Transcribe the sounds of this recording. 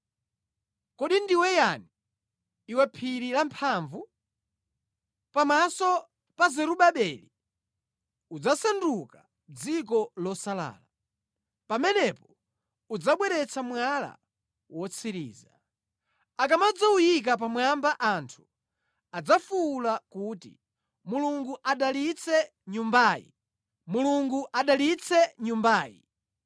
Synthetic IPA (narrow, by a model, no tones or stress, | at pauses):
kɔɗindiwɛjaniː | wɛpʰiɾilampʰaɱvu | pamasɔ | pazɛɾuɓaɓɛli | ud͡zasanduka | d͡zik̬ɔlɔsala̰ːla | pamɛnɛpɔ | ud͡zaɓwɛɾɛt͡sʰamwala̰ | wɔt͡sʰiɾḭːza | akamad͡zaujik̬ap̬amwambaʔantʰu̥ | ad͡zafulakuːtḭ | muluŋɡuʔaɗalit͡sʰɛ | ɲumbaːjḭ | muluŋɡuʔaɗalit͡sʰɛɲumbaːjḭ